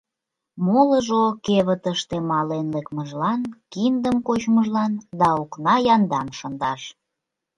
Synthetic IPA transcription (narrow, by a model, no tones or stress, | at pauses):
moləʒokeβət̪əʃt̪emɑlenlekməʒlɑnkind̪əmkot͡ɕməʒlɑnd̪ɑuknɑjɑnd̪ɑmʃənd̪ɑʃ